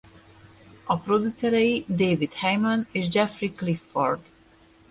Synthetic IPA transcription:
ɔpɾod̪usɛɾɛjid̪evid̪hɛjmãnizd͡ʒɛfɾiklifːɔɾd̪̥

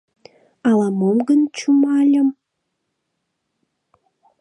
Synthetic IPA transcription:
ɑlɑmomɡənt͡ɕumɑlʲə̆m

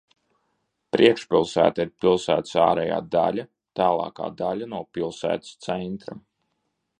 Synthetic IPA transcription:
pɾʔiɛkʃpʲilˠsæ̰ːt̪aiɾpilˠsæːt̪saːɾɛja̰ːd̪a̰lʲa | t̪aːlˠɑ̰ːka̰ːd̪alʲanuɔpʲilˠsæ̰ːt̪i̥st̪sɛnt̪ɾa

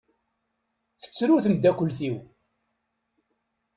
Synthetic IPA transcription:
θə̥t͡sːɾuθənd̪ːækʷːəlθiw

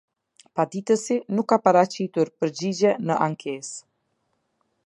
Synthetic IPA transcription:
pad̪it̪əsinukːapaɾat͡ɕit̪uɾpəɾd͡ʑid͡ʑɛnəʔaŋkʰes

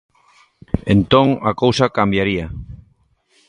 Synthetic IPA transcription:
ḛnt̪õŋakowsakambjaɾia

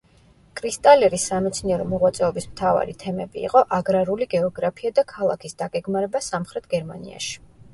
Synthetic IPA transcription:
kʼɾist̪ʼalɛɾisːamɛt̪sʰniɛɾɔmɔʁwat̪sʼɛɔbismt̪ʰava̰ɾit̪ʰɛmɛbḭːqʼɔʔaɡɾaɾuliɡɛɔɡɾapʰiad̪akʰalˠa̰kʰisd̪aɡɛɡmaɾɛbasamχɾɛt̪̚ʰɡɛɾmanḭa̰ʃi̥

